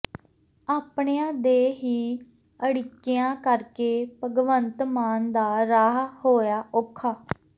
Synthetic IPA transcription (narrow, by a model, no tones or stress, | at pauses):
aːpɳejãːd̪eːɦiː | əɽɪkːejãːkəɾkeːpəɡʋənt̪maːnd̪aːɾaːɦhoːjaːʔʊkʰːaː